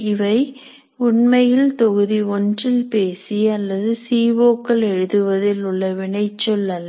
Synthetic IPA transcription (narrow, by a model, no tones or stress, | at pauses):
ɪʋɐɪ | ʊɳmɐjɪlt̪ɔɣɯðiɔndrɪlpeːsiɐlːɐðɯsiːʋoːkːɐɭɛɻɯðɯʋɐðɪlʊɭːɐʋɪɳɐɪt͡ʃːɔlɐl